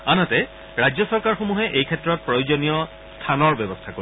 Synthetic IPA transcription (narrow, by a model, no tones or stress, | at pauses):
anatɛ | ɹajd͡ʑjɔsɔɹkaɹxomuɦɛʔejkʰɛtɹɔt̚pɹojozonijɔ | stʰanɔɹbɛbɔstʰako